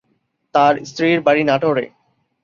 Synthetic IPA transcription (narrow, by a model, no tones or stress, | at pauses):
t̪aɾst̪ɾiɾbaɾinaʈoɾḛ